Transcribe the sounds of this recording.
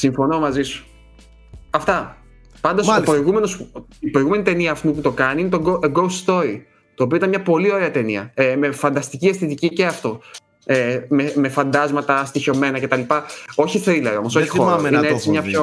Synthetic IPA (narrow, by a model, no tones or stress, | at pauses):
siɱfono̞mɐzisu̥ | ɐft̪ɐ | pɐnd̪oopɾoiɣume̞nosipɾoiɣume̞nit̪e̞niɐːft̪uput̪o̞kɐniinet̪oɡooɡousst̪o̞ɾi | t̪oːp̬ioit̪ɐnmɲɐpo̞lio̞ɾe̞ɐt̪e̞niɐ̰emefɐnd̪ɐst̪iciɐst̪it̪icice̞ɐft̪o̞ | ememe̞fɐnd̪ɐzmɐt̪ɐst̪iço̞me̞nɐce̞t̪ɐlipɐoçiθɾilɐɾo̞mo̞soçixoɾineet͡simɲɐpço